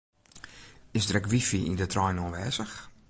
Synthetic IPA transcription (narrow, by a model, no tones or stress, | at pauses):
ɪsdrɛkʋifiʔḭndətrɔjnonʋɛːzəx